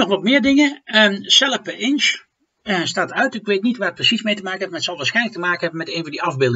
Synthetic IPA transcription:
ɔxʋɔtmɪəɹdɪŋəəsɛlˠəfbɛʔɪns | staːtœɥtɪkʋeːtnitʋaːət̚prəsismejtəmaːkənɛpmaətsɑlˠʋaːsxɛjnlək̚təmaːkən̩hɛbənmɛteːnvɔndiɑvbɪlˠd

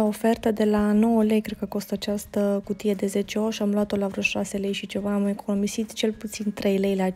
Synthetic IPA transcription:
ofe̞rt̪əd̪e̞lano̞wəlejkɾed̪kəko̞st̪at͡ʃast̪əkut̪ie̞d̪e̞ze̞t͡ʃeoʃiamlwat̪o̞lavɾoʃase̞lejʃit͡ʃe̞vaːmekʰonomisit̪t͡ʃe̞lput̪sint̪ɾe̞jlejla

